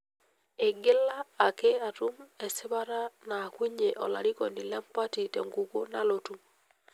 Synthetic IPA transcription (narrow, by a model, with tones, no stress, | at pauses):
e˨ɡɪ˦laː˦˨ke˦a˨tu˦mɛ˨sɪ˦βa˦ɾa˦naː˨kwi˦ɲe˨ʔɔ̰˨la̰˨ɾi˦kɔ˨ni˨la˦mpa˦ti˨tɛ̰˨ŋɡu˨ko˦na˨lo˨tu˦m